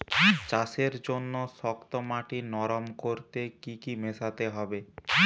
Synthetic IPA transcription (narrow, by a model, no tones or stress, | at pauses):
t͡ɕaseɾd͡ʑonːoʃɔkt̪omaʈinɔɾomkoɾt̪ekikimesat̪eɦɔbe